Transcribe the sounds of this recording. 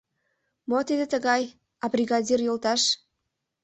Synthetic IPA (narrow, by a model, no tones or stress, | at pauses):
mot̪id̪ĕt̪əɣɑj | ɑbrʲiɣɑdʲirjolt̪ɑʃ